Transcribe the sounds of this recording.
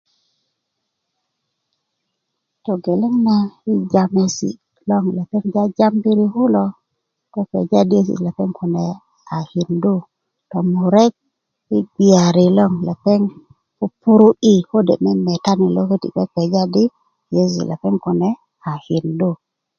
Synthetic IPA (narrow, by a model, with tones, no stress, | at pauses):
tɔ˨ɡe˨le˦ŋna˦ɪ˦d͡ʒa˨me˨sḭ˨ | lɔ˦ŋla˨pɛ˦ŋd͡ʒa˦d͡ʒa˦mbi˦ɾi˦hu˦lɔ˦ | tɔ˦pɛ̰˨d͡ʒa˦di˦e˦sḭ˨la˨pɛ˦ŋkʊ˨nɛ˨ | a˨hi˨ndu˦ | tɔ˨mu˨ɾɛ˦k̚ | ɪ˦bi˨a˨ɾi˨lɔ˦ŋla˨pɛ˦ŋ | o˦pu˦ɾu˦i˦ho˦dḛ˨mɛ˦mɛ˨ta˦ni˨lo˦ke˦tḭ˨kɛ˦pɛ˨d͡ʒa˦di˦ | je˦sḭ˨la˨pɛ˦ŋkɔ˨nɛ˨ | a˨hɪ˨ndu˦˨